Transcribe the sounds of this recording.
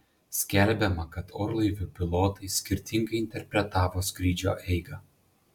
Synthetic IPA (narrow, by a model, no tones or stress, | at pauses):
sʲkʲɛlʲbʲɛmɐkɐt̪oːɾlˠɐɪʋʲʊpʲɪlˠoːt̪ɐɪsʲkʲɪɾʲt̪ʲɪŋɡɐɪɪnʲt̪ʲɛɾʲpʲɾʲɛt̪ɑːʋoːsʲkɾʲiːd͡ʒʲo̰ːʔɛɪɡɐ